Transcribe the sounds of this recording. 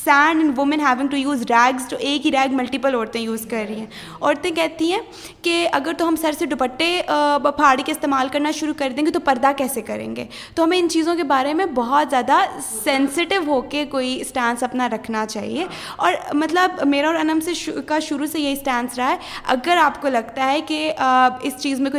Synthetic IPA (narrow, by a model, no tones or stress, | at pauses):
sɛːɳɖɪ̃nʋʊmə̃nɦɛːʋɪ̃ŋʈujuːzɖɛːɡztoːʔeːkɦiɾɛːɡmɐlʈɪpəlɔːɾt̪ẽjuːzkɐɾːɐɦĩɦɛ̃ | ɔːɾt̪ẽkɛɦt̪ĩɦɛ̃ | keɐɡəɾt̪oɦɐmsɐɾseɖʊpəʈːepʰaːɾɽikeɪst̪eːmaːlkɐɾnaʃʊɾukɐɾd̪ẽːŋɡet̪opɐɾd̪akɛːsekɐɾḛ̃ːŋɡḛː | t̪oɦɐmẽɪnt͡ʃiːzõkebaːɾemẽbɔɦɔt̪zjaːd̪asɛ̃nsɪʈɪʋɦoːkekoːisʈɛ̃ːnsɐpnaɾɐkʰnat͡ʃa̰ːɦḭe | ɔ̰ːɾmɐt̪ləbmeːɾaɔːɾɐnə̃mseʃkaʃʊɾusejɐɦisʈɛ̃ːnsɾɐaɦɛɐɡəɾaːpkolɐɡt̪aɦɛkeɪst͡ʃiːzmẽko